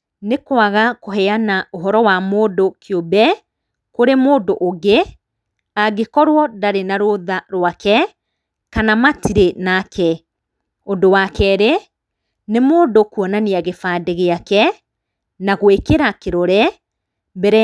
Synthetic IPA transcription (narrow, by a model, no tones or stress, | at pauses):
nekwaɣakoɦɛanaoɦɔɾɔwamoːdokʰjobɛ | koɾemoːdoʔːɡe | aɣekɔɾwɔdaɾenaɾoðaɾwakɛ | kanamatiɾenakɛ | odowakɛɾe | nemoːndokuɔnaneaɣefaːdeɣeakɛ | naɣwekeɾakeɾɔɾɛ | bɛɾɛ